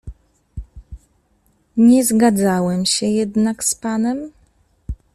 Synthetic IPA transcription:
ɲɛzɡad̪zawɛmɕɛjɛd̪nakspanɛm

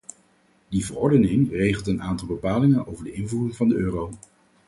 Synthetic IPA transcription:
divərɔɹdənɪŋrejχəlˠtənaːntɑlˠbəpaːlɪŋənowvəɹdəɪnvuːrɪŋvɑndəøːrow

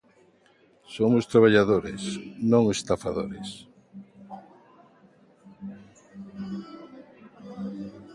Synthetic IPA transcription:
somʊst̪ɾaβ̞aʎaðoɾḛsnõŋest̪afaðo̰ɾes

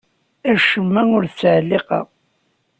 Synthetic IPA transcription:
æʃəmːæŋʊɾθt͡sːʕlːeqɑ̰

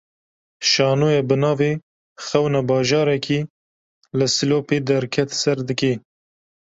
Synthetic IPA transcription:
ʃɑːnoːjebɨnɑːveː | xɐwnabɑːʒɑːɾɛkʰiː | lɨsiloːped̪ɛɾkʰɛt̪sɛɾd̪ɨkeː

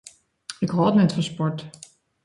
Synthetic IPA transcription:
ɪkɦɔlˠtnɛtfɑ̃nspɔɹt

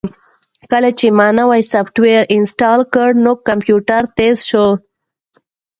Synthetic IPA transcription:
kəlat͡ʃemɑːnawajsafʈweɾɪnsʈɑːlkəɽnokːampjuʈaɾt̪ezʃo

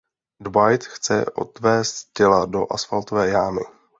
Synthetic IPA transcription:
dbajt̪xt͡sɛ̰ʔo̞̰t̪vɛːst̪cɛlado̞̰ʔasfalt̪o̞vɛːjaːmɪ

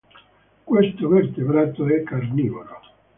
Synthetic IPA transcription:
kwest̪overt̪ebɾat̪oɛkːarnivolo

